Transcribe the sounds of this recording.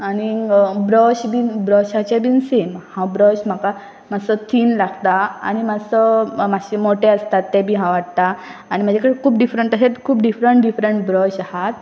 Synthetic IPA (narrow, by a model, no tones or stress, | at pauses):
anibɾɔɕbʱiːnbɾɔɕat͡ɕebinsemhãbɾɔɕm̤aka | m̤asɔt̪ʰiːnlaɡt̪aa̰nimasɔmaɕemoʈeəst̪at̪ːɛ̃bʱiɦãʋaɽt̪aː | ñim̤əd͡zekəɽekʰuːpɖifɾəɳʈəset̪kʰuːpɖifɾəɳʈɖifɾəɳʈbɾɔɕahat̪̚